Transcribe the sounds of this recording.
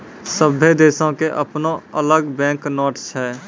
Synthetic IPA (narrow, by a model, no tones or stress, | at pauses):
səbʱːed̪eːsõkeʔəpnoələɡbɛ̃ːknɔːʈsɦɛː